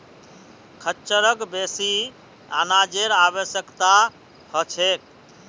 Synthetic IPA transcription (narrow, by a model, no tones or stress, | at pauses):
kʰət͡ʃəɾəkbesi | a̰nad͡ʒeɾabəsjəkt̪a | hət͡ʃʰek̚